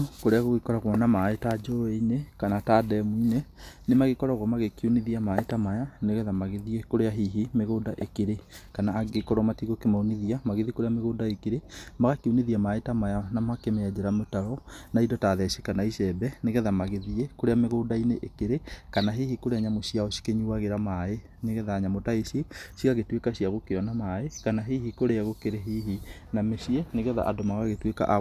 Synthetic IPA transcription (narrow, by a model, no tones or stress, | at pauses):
koɾeaɣoɣekɔɾaɣwɔnamaetad͡ʒɔeinekanatadɛmwinenemaɣekɔɾaɣwɔmaɣekiuniðiamaetamajaneɣɛðamaɣeðiekoɾeaɦiɦimeɣoːdaʔekeɾekanaːɡekɔɾɔmatiɣokemaoniðiamaɣeðikoɾeameɣoːdaekeɾemaɣakiuniðiamaetamajanamakemead͡ʑeɾametaɾɔnaidɔtaðɛʃekanaiʃɛbɛneɣɛðamaɣeðiekoɾeameɣoːdaineʔekeɾekanaɦehikoɾeaɲamoɕijaɔsi̥keɲuaɣeɾamae | neɣɛðaɲamotaesiesiɣaɣetwekaɕiaɣokeɔnamaekanaɦeːɦikoɾeaɣokeɾeɦiɦi | namesiɛneɣɛða̰ʔadomaɣaɣetweka̰ʔa